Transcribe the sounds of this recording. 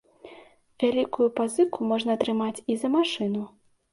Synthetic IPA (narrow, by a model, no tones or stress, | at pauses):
vʲalʲikujupazɨkʰumɔʐn̪ɐːt̪ɾɨmat͡sʲizɐmaʂɨnu